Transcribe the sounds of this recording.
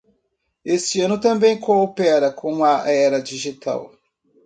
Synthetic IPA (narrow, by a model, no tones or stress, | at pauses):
est͡ʃɪɐ̃nʊt̪ɐ̃mbẽj̃kʰoopɛɾɐkʰõm̃ɐɛɾɐd͡ʒiʒit̪a̰w